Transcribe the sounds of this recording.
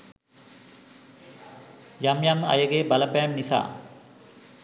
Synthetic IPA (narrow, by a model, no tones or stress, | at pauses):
jamjama̰jəɡebaləpɛːmnisa̰ː